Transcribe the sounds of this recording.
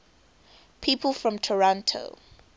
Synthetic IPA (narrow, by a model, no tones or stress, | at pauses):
pʰiːˑpʰəlˠfɹɔ̃mtʰɔɹɔ̃ntʰo̰